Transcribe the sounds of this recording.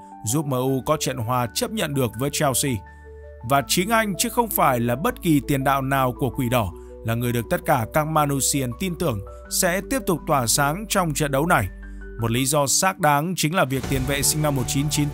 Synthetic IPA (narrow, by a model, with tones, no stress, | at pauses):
zu˦˥p̚məː˧˩ʔu˧kɔ˨˦t͡ɕə̰˧˨nɦwaː˨˧t͡ɕə˦˥p̚ɲə̰˧˨nɗɨ˨˩ək̚vəː˨˦jt͡ɕɛ˧wsi˧ | vaː˨˩t͡ɕi˨˦ŋʔa˧jŋ̟t͡ɕɨ˨˦xə˧wŋ͡mfaː˧˩jlaː˨˩ɓə˦˥t̚ki˨˩t̪i˨˩ənɗa̰ː˧˨wnaː˨˩wku˧˩əkwi˧˩ɗɔ˧˩ | laː˨˩ŋɨ˨˩əjɗɨ˨˩ək̚t̪ə˦˥t̚kaː˧˩kaː˦˥k̚maː˧nu˧si˧ə˧nt̪i˧nt̪ɨ˨˩əŋ | sɛ̰˧˥t̪i˦˥əp̚t̪ʊ˨˩k͡p̚t̪waː˧˩saː˨˦ŋt͡ɕɔ˧wŋ͡mt͡ɕə̰˧˨nɗə˨˦wna˨˩j | mo˨˩t̚li˨˦zɔ˧saː˦˥k̚ɗaː˨˦ŋt͡ɕï˨˦ŋ̟laː˨˩vi˨˩ək̚t̪i˨˩ənvḛ˧˨sï˧ŋ̟na˧mːo˨˩t̚t͡ɕi˨˦nt͡ɕi˨˦n